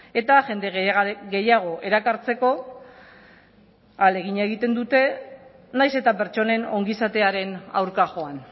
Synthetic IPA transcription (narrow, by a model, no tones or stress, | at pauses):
e̞t̪aʝe̞nd̪e̞ɣe̞jaɣ̞o̞ʔe̞ɾakaɾt͡se̞ko̞ | ale̞ɣiɲaeɣ̞it̪e̞nd̪ut̪e̞ | najse̞t̪ape̞ɾt͡ʃo̞ne̞no̞ŋɡisat̪e̞aɾe̞na̰wɾkaʝo̞an